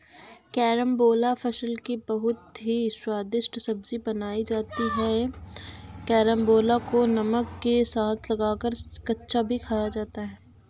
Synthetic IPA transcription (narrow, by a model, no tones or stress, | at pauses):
kɛːɾəmboːlafʰɐʃəlkibɐɦʊt̪ɦiswaːd̪ɪʃʈsɐbzibɐnaːid͡ʒaːt̪iɦɛ | kɛːɾəmboːlakonɐməkːesaːt̪ʰlɐɡaːkəɾkɐtːʃabʱikʰaːjad͡ʒaːt̪aɦɛː